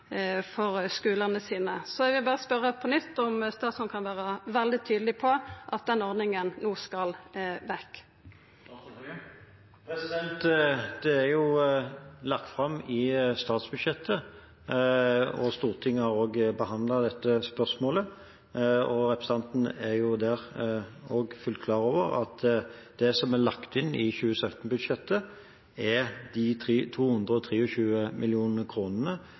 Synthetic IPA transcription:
fɔʁskʉːlənəsiːnəsɔɛʋɪlbɑːɾəspœɾəpʰɔnʏt̪ːɔmst̪ɑːt̪sɔnkʰɑnʋæːʁəʋɛld̪ɪt̪ʰyːd̪lɪpʰɔʔɑt̪̚d̪ɛnːɔʁd̪nɪŋənnuːskɑlʋɛkː | pɾɛsɪd̪ɛnt̪d̪̥ɛæʁjʊ | lɑk̚t̪fʁɑmːɪst̪ɑːt̪sbʉd̪ʃjɛt̪ʰːə | ɔst̪uːʁt̪ʰɪŋːəhɑʁoːɡbəɦɑnd̪lɑd̪ɛt̪ːəspœʁsmoːlə | ɔɾɛpɾɛsɑnt̪n̩ɛjʊd̪æʁ | oːɡfʉlt̪̚kʰlɑːɾoːʋəʁɑ̰t̪d̪̥ɛsɔmælɑkt̪ɪnːɪçʉːəsœt̪n̩bʉd̪ʂɛt̪ːə | ɛd̪it̪ʰiːt̪ʰuːhʉnd̪ʁəɔt̪ʰɾiːɔɕʉːəmʔɪlɪuːnəəkʰɾuːnənə

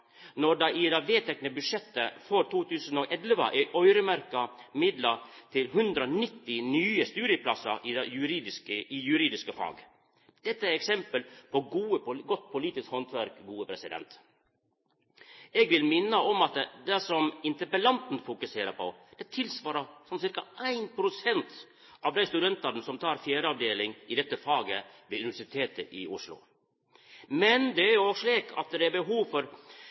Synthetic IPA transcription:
nɔɖɑʔɪd̪ɑʋeːt̪ʰɛknəbʉʂɛt̪ːəfoːɾt̪ʰuːt̪ʰʉːsən̩ɔːʔɛlʋə̰ʔɛʔœʏɾəmæɾkɑmɪd̪lɑt̪ʰɪlɦʉnd̪ɾəɔnɪt̪ːɪnyːəst̪ʉːɾɪəpʰlɑsɑʔɪd̪jʉɾiːd̪ɪskəɪjʉɾiːd̪ɪskəfɑ̰ɡ | d̪̥ɛt̪ːəæɾɛksɛmpəlpɔɡuːəɡɔt̪̚ːpʰʊliːt̪ɪskhɔnt̪ʰʋæɾkɡuːəpʰɾɛsɪd̪ɛ̰nt̪ | ɛɡʋɪlmɪnːəɔmɑt̪d̪ɛsɔmɪnt̪əpəlɑnt̪n̩fʊkʉseːɾəɾpʰɔd̪̥ɛt̪ʰɪlsʋɑːɾəsɔmsɪɾkɑʔæɪnpʰɾʊsɛnt̪ | ʔɑʋd̪æɪst̪ʉd̪ɛnt̪ɑɾnəsɔmt̪ʰɑːɾfjæːɾəɑʋd̪eːlɪŋɪd̪ɛt̪ːəfɑːɡəʋɛʉnɪʋæʂɪt̪ʰeːt̪əʔɪʊʂlʊ̰ | mɛnd̪ɛæɾjʊoʂɭiːkʰɑ̰t̪̚d̪ɛæbəɦuːʋfɔɾ

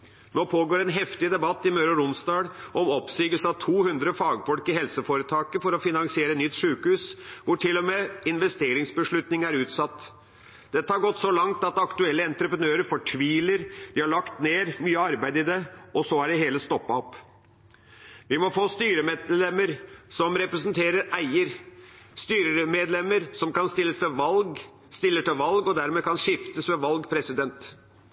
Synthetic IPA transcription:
noːpʰoːɡoːɾɛnɦɛft̪ɪd̪ɛbɑt̪ːɪmøːɾɔɾʊnst̪ɑːɽʔɔmɔpsyːɡəlsəɑʋt̪ʰuːhʉnd̪ɾəfɑːɡfɔlkɪhɛlsəfoːɾət̪ʰɑːkəfɔɾɔfɪnɑŋsɪeːɾənʏt̪ːʂʉːkhʉːsʋʊʈʰɪlːɔmeːɪnʋɛst̪eːɾɪŋsbəʂɭʉt̪nɪŋæɾʉːt̪sɑt̪ː | d̪̥ɛt̪ːəhɑɾɡɔt̪ːsɔlɑŋt̪ɑt̪ɑkt̪ʉɛlːəɛnt̪ɾəpɾənøːɾəɾfɔʈʰʋiːləɾd̪̥ɪhɑɭɑkt̪neːɾmyːəɑɾbæɪd̪ɪd̪ɛʔɔsɔæɖɪɦeːləst̪ɔpːɑɔp | ʋɪmɔfoːst̪yːɾəmelɛmːəɾsɔmɾɛpɾɛsnt̪ʰeːɾəɾæɪəɾ | st̪yːɾəmeːd̪lɛmːəɾsɔmkɑnst̪ɪlːəst̪ʰɪlʋɑlɡ | st̪ɪlːəʈɪlʋɑlɡɔd̪æɾmeːkʰɑnʂɪft̪əsʋɛʋɑlɡpʰɾɛsɪd̪ɛnt̪

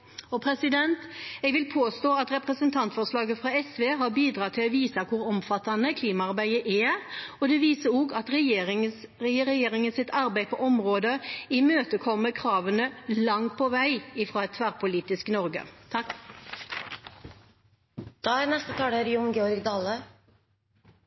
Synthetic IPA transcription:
ɔpʰɾɛsɪd̪ɛnt̪ɛɡʋɪlpʰoːst̪oːɑt̪ʁɛpʁəsənt̪ʰɑnt̪fɔʁʂlɑːɡəfʁɑɛsʋeːɦɑɾbiːd̪ɾɑːt̪ʰɪlɔʋiːsɑkʰʊɾɔmfɑt̪ɑnəkʰliːmɑɑɾbæɪəʔɛɔd̪ɛʋiːsəɾɔɡɑt̪ʁɛɪɾɛjeːɾɪŋənsɪt̪ʰɑɾbæɪpʰɔʔɔmʁoːd̪əɪmøːt̪əkʰɔmːəkʰʁɑːʋənəlɑŋ̚pʰɔʋæɪɪfɾɑːɛt̪ʰːʋæʁpʰʊliːt̪ɪsknɔʁɡə̰t̪ʰɑ | d̪̥ɑːæɾnɛst̪ət̪ʰɑːɽæɾiʊŋɡɛːɔɾɡd̪ɑːlə

